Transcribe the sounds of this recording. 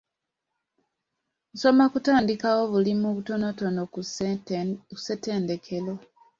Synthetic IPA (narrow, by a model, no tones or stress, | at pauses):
n̩so̞makutaːndikawo̞βulimuβuto̞noto̞no | u̥se̞te̞ːnde̞kʰe̞lo